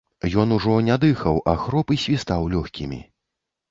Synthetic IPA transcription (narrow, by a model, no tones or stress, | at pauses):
jɔnuʐɔnʲɛd̪ɨxɐwʔaxɾɔpisʲvʲist̪awlʲɔxʲkʲimʲḭ